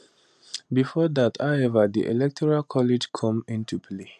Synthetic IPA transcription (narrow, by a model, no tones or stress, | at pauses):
bifɔdathaʊɛvədḭʔɛ̰lɛk̚tʰɔɹalkʰɔlɪd͡ʒkʰʌ̃mĩntʰuple